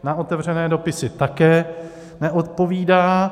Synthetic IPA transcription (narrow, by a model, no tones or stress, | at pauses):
nao̞t̪ɛvr̝ɛnɛːdo̞pɪsɪt̪akɛː | nɛʔot̪̚po̞viːdaː